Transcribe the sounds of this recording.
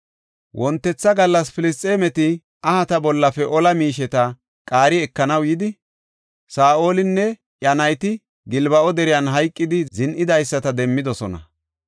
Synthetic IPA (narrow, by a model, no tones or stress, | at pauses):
wʔɔnt̪ːɛt͡sːɐɡɐlːɐsfɪlɪs̬t̪ʼːeːmɛt̪ɪ | ɐhɐt̪ɐbɔlːɐfɛʔɔlɐmiːʃɛt̪ɐ | kʼaːɾɪɛkːɐnɐwjɪd̪ɪ | saːʔoːlɪnːɛ | jɐnɐjt̪ɪ | ɡɪlbɐʔɔd̪ɛɾɪjɐnɦɐjkʼːɪd̪ɪzɪnʔɪd̪ɐjsːɐt̪ɐd̪ɛmːɪd̪ɔsɔnɐ̰